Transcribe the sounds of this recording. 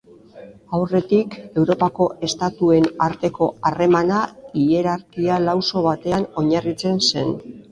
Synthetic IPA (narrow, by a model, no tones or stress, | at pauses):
awre̞t̪ike̞wɾo̞pako̞ʔe̞st̪at̪ue̞naɾt̪e̞ko̞are̞manaie̞ɾaɾkialawso̞βat̪e̞ano̞ɲarit͡se̞nse̞n